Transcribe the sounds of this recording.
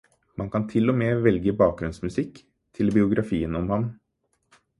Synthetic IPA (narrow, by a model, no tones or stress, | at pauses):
mʔɑnkʰɑnt̪ʰɪlɔmeːʋɛlɡəbɑːk̚ɡɾʉnsmʉsɪkː | t̪ʰɪlbɪʊɡɾʔɑfiːənɔmhɑm